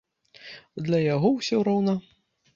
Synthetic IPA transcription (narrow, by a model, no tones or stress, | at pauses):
d̪lʲɐjaɣɔwsʲɔɾɔwnɐ